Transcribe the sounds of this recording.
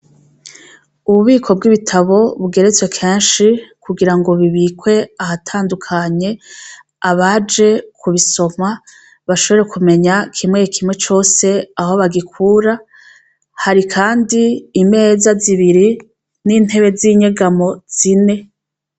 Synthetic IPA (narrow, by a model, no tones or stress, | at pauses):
uβuβiːkʰo̞b̚ɡiβitʰaβo̞βuɡe̞ɾe̞t͡swe̞kʰeːnʃikʰuɡiɾaŋɡo̞βiβiːkwe̞ahatʰaːndukʰaɲe̞ | aβad͡ʒe̞kʰuβiso̞ma | βaʃo̞βo̞ɾe̞kume̞ɲakʰimŋeːkʰimŋwe̞t͡ʃo̞ːse̞aho̞βaɡikʰuːɾa | haɾikʰaːndiːme̞ːzaziβiɾi | nin̥he̞βe̞ziːɲe̞ɡamo̞z̥ine̞